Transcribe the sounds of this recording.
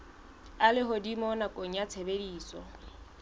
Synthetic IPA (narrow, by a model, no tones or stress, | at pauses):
alɪɦʊdimɔnakʼoŋ̩jat͡sʰebediːsɔ̰